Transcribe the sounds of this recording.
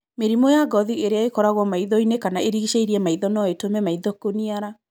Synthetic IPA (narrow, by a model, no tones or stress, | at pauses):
meɾimɔjaɡɔðieɾeaekɔɾaɣwɔmaiðɔinekanaeɾiɣiʃeiɾiɛmaiðɔnɔetomɛmaiðɔkoniaɾa